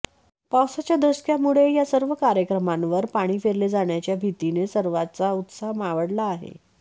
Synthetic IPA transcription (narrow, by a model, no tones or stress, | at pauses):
pawsat͡ɕjad̪ʱəskjamuɭejasəɾʋəkaɾjəkɾəmãnʋəɾpaɽ̃iːfeɾled͡zaɳjat͡ɕjabʱit̪inesəɾʋat͡saut̪saɦmaʋəɽlaːɦḛ